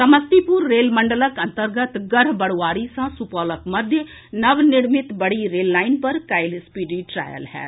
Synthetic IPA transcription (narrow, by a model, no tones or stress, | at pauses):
sɐməst̪ipuɾːeːlməɳɖələkɐ̃nt̪əɾɡət̪ɡəɾbəɽwaːɾisãsupɔːləkmɐd̪ʱjə | nɐʋnɪɽmɪt̪bəɽiɾeːlːaːɪnpɐɾkaɪlspiɖiʈɾa̰ːjə̰lɦɛ̰ːt̪